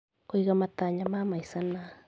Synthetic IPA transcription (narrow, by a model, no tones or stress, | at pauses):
koiɣamat̪aɲamamaisana